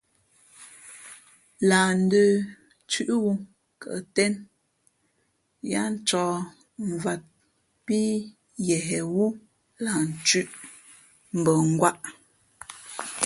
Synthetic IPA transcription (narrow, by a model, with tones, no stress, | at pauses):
laː˨n̩˦dəː˨ | t͡ʃʉ˦ʔwu˦ | kə̰˨tɛ˦n | ja˦n̩˦t͡ʃɔː˨ | ɱ˨va˨t̚ | pi˦ | jɛ˨ɦɛ˨wu˦ | la˨n˨t͡ʃʉ˦ʔ | m̩˨bə˨ŋ̩˦ɡwa˦ʔ